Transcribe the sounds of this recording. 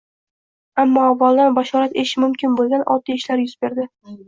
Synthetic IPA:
amːɒavːalˠd̪anbaʃɒɾat̪eʃɪmʊmkʲɪnbolˠɡʲanʔɒ̰lˠt̪ʰɪjeʃlaɾjʊzbeɾd̪ɪ

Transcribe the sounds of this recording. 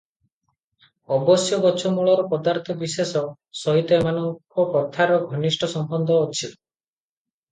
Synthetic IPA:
ɔbɔsjɔbɔt͡ʃʰɔmuɭɔɾɔpɔd̪aɾt̪ʰɔbisesɔ | sɔɦit̪ɔemanɔŋkɔkɔt̪ʰaɾɔɡʱɔnisʈʰɔsɔmbɔnd̪ɔot͡ʃʰilɔ

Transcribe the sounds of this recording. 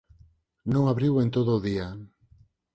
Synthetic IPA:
nõŋaβɾiwent̪oðʊːðia

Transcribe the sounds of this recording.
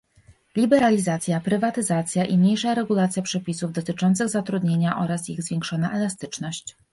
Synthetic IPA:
lʲibɛɾalʲizat̪sʲjapɾɘvat̪ɘzat̪sʲjaʔimɲejʂaɾɛɡulat̪sʲjapʂɛpʲisuvd̪ɔt̪ɘt͡ʂɔnt̪sɘɣzat̪ɾud̪ɲeɲaʔɔɾasiɣzvʲjeŋkʂɔnaʔɛlast̪ɘt͡ʂnɔɕt͡ɕ

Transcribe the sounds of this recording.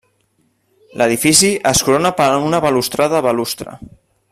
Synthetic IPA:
lʔəðifisiʔəskuɾonapəɾunəβəlust̪ɾaðəβəlust̪ɾə̰

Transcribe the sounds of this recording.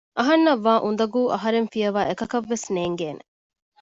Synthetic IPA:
ʔɐɦɐnːɐʋːaːʔund̪ɐɡuːʔɐɦɐɾenfijɐʋaːʔekɐkɐʋːesneːŋɡeːne

